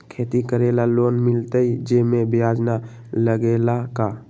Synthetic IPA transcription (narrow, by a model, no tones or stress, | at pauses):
kʰeːt̪ikəɾelaloːnmɪlt̪əid͡ʒemẽbjaːd͡ʒna | ləɡelaka